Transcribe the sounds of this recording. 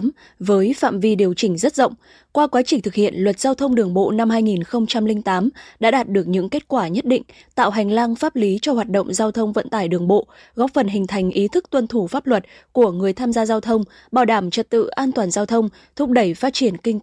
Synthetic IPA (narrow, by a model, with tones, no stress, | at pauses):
m | vəː˨˦jfa̰ː˧˨mvi˧ɗi˨˩əwt͡ɕï˧˩ŋ̟zə˦˥t̚zə̰˧˨wŋ͡m | kwaː˧kwaː˨˦t͡ɕï˧˩ŋ̟t̪ʰɨ˨˩k̚hḭ˧˨ənlwə˨˩t̚z̥aː˧wt̪ʰə˧wŋ͡mɗɨ˨˩əŋɓo̰˧˨na˧mɦaː˧jŋi˨˩nxə˧wŋ͡mt͡ɕa˧mlï˧ŋ̟t̪aː˨˦mɗa̰ː˧˥ɗaː˨˩t̚ɗɨ˨˩ək̚ɲɨ̰˧˥ŋke˦˥t̚kwaː˧˩ɲə˦˥t̚ɗḭ˧˨ŋ̟ | t̪a̰ː˧˨wɦa˨˩jŋ̟la˧ŋfaː˦˥p̚li˨˦t͡ɕɔ˧hwaː˨˩t̚ɗə̰˧˨wŋ͡mzaː˧wt̪ʰə˧wŋ͡mvə̰˧˨nt̪aː˧˩jɗɨ˨˩əŋɓo̰˧˨ | ɣɔ˦˥p̚fə˨˩nɦï˨˩ŋ̟t̪ʰa˨˩jŋ̟ʔi˨˦t̪ʰɨ˦˥k̚t̪wə˧nt̪ʰu˧˩faː˦˥p̚lwə˨˩t̚ku˧˩əŋɨ˨˩əjt̪ʰaː˧mzaː˧zaː˧wt̪ʰə˧wŋ͡m | ɓaː˧˩wɗaː˧˩mt͡ɕə˨˩t̚t̪ɨ̰˧˨ʔaː˧nt̪waː˨˩nzaː˧wt̪ʰə˧wŋ͡m | t̪ʰʊ˦˥k͡p̚ɗə˧˩jfaː˦˥t̚t͡ɕi˧˩ənkï˧ŋ̟